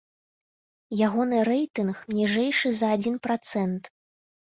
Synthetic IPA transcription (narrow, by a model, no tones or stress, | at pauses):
jaɣɔnɨɾɛjt̪ɨnxmnʲiʐɛjʂɨzɐːd͡zʲinpɾat̪sɛnt̪